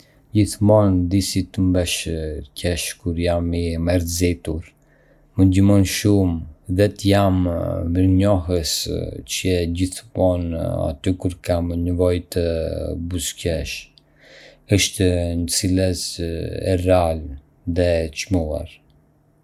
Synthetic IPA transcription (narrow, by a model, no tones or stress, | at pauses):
ɟiθmɔnd̪isit̪əmbɛʃcɛʃkuɾjamimɛɾzit̪uɾ | məd̪əmɔnʃumðɛt̪əjamməɾɲɔɦəst͡ʃəɛɟiθmɔna̰t̪ykuɾkamnəvɔjt̪əbuscɛʃ | əʃt̪nət͡silɛsɛ̰ral | ðɛt͡ʃmua̰ɾ